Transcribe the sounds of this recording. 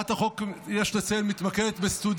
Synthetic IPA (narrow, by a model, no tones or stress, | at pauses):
at̪aχokjeʃlet͡selmit̪makedet̪best̪ud̪